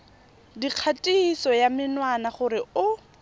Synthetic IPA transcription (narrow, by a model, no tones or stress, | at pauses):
diq͡χʰatʼiisɔjamɪnwanaχʊɾɪʊ